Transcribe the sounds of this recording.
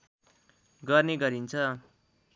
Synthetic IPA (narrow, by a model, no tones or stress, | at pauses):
ɡʌrneɡʌɾint͡sʰʌ